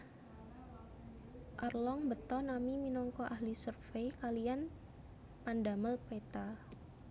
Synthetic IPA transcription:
ʔarlɔŋbət̪ɔnamiminɔŋkɔʔahlisurfejkalian | pandaməlpet̪a

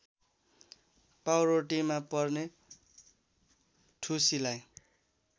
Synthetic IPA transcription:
pawroʈimapʌrne | ʈʰusilaj

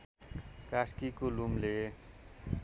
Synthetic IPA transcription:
kaskikolumle

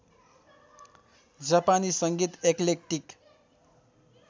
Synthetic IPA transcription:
d͡zapanisʌŋɡit̪eklek̚ʈik

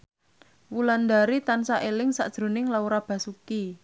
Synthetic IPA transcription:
wuland̪aɾit̪ansaʔelɪŋsa̰ʔd̥ʒ̥ɾo̤nɪŋlauɾab̥ä̤suki

